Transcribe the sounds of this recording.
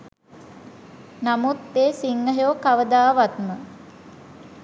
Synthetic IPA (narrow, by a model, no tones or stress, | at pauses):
namut̪̚ːeːsiŋːəɦjoːkaʋəd̪aːʋat̪mə